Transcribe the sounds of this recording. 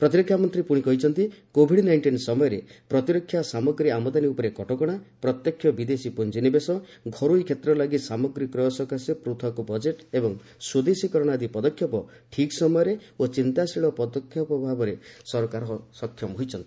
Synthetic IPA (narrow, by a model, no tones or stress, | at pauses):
pɾɔt̪iɾɔkʰːjamɔnt̪ɾipuɽ̃ikɔɦit͡ʃʰɔnt̪ikobʱiɽnajɳʈinsɔmɔjɔɾepɾɔt̪iɾɔkʰːjasamɔɡɾiamɔd̪aniupɔɾekɔʈɔkɔɽ̃apɾɔt̪jɔkʰːjɔbid̪esipund͡ʒinibesɔ | ɡʱɔɾujkʰjet̪ɾɔlaɡisamɔɡɾikːɾɔɔsɔkasjɔpɾut̪ʰɔkubɔd͡ʒeʈebɔŋ | sud̪esikɔɾɔɽ̃ad̪ipɔd̪ɔkʰjɔpɔ | ʈʰiksɔmɔjɔɾeot͡ʃint̪asiɭɔpɔd̪ɔkʰːjɔpɔbʱabɔɾesɔɾɔkaɾɔsɔkʰjɔmɦojt͡ʃʰɔnt̪ii̥